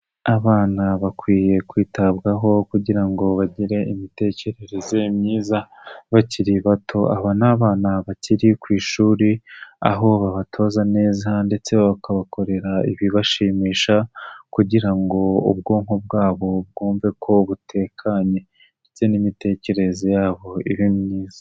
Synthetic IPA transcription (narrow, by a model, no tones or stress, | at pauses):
aβaːnaβakwiːje̞kwiːtabɡaɦo̞kuɟiɾaŋɡo̞βaɟiɾe̞imite̞ce̞ɾe̞ɾeze̞mɲiːza | βaciɾiβatʰo̞aβanaβaːnaβaciɾikwiːʃuːɾia̰ɦo̞βaβatʰo̞ːzane̞ːzande̞t͡se̞βakʰaβako̞ɾe̞ɾaiβiβaʃiːmiːʃakuɟiɾaŋɡo̞ṵbɡo̞ːŋ̥hob̚ɡaːβo̞b̚ɡoːɱve̞kʰo̞βutʰe̞kʰaɲe̞ | ndet͡se̞nimite̞ːce̞ɾe̞ze̞jaːβo̞iβimɲiːzḁ